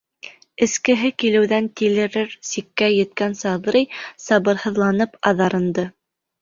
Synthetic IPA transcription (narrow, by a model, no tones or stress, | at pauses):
ɘ̆skɘ̆ɦɘkilɘ̆wðænt̪ilɘ̆ɾɘɾsikːæjɘ̆t̪kænsɑðɾɤjsɑβɤ̆ɾhɤ̆ðlˠɑnɤpɑðɑɾɤ̆nd̪ɤ